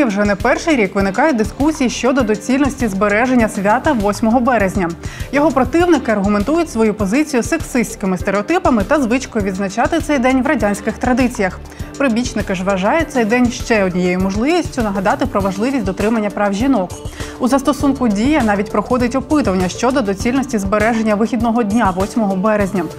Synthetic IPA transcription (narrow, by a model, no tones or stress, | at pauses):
wʒɛnɐpɛrʃɪjɾʲikʋɪnɪkɑjʊt̚ʲd̪ɪskusʲijiʃt͡ʃɔd̪ɔd̪ɔt͡sʲilʲnɔsʲtʲizbeɾɛʒenʲːɐsʲʋʲat̪ɐʋɔsʲmɔɦɔbɛɾezʲnʲɐjɔɦɔpɾɔt̪ɪwnɪkɪɐrɦʊment̪ujʊtʲsʋɔjupɔzɪt͡sʲijʊsːeksɪsʲt͡sʲkɪmɪst̪eɾeɔt̪ɪpɐmɪt̪ɐzʋɪt͡ʃkɔjʊʋʲid̪znɐt͡ʃɑt̪ɪt̪sɛjd̪ɛnʲʋɾɐdʲanʲsʲkɪxt̪ɾɐd̪ɪt͡sʲijɐx | pɾɪbʲit͡ʃnɪkɪʐʋɐʒɑjʊt̪sɛjd̪ɛnʲʃt͡ʃɛɔdʲnʲijejʊmɔʒlˠɪʋʲisʲtʲʊnɐɦɐd̪ɑt̪ɪpɾɔʋɐʒlˠɪʋʲisʲtʲd̪ɔt̪ɾɪmɐnʲːɐpɾɑwʒʲinɔkuzɐst̪ɔsunkʊdʲijɐn̪ɑʋʲitʲpɾɔxɔd̪ɪtʲɔpɪt̪ʊʋɐnʲːɐʃt͡ʃɔd̪ɔd̪ɔt͡sʲilʲnɔsʲtʲizbeɾɛʒe̞nʲːɐʋɪxʲid̪nɔɦɔdʲnʲaʋɔsʲmɔɦɔbɛɾezʲnʲɐ